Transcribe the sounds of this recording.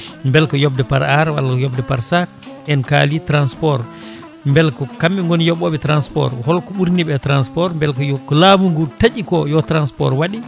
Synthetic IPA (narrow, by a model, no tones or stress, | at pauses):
mbɛlkɔjɔb̚dɛpaɾaɾwa̰lkɔjɔbdɛpaɾsak̚ | ɛnka̰litɾanspɔɾ | mbɛlkɔkamːiŋɡɔnjɔɓːɔɓɛtɾanspɔ̰ɾhɔlkɔɓuɾniɓɛtɾanspɔɾmbɛlkɔjɔkɔlamuŋɡutaɟikɔjɔtɾanspɔ̰ɾwaɗi